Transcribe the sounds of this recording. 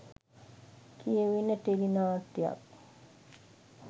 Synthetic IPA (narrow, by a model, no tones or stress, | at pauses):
kʰijəʋinːət̪eɾinaːt̪ːija̰k̚